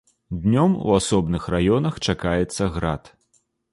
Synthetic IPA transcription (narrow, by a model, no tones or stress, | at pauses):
d̪ʲnʲɔmṵasɔbnɨxrajɔnɐxt͡ʂakajɛt̪sːɐɣɾat̪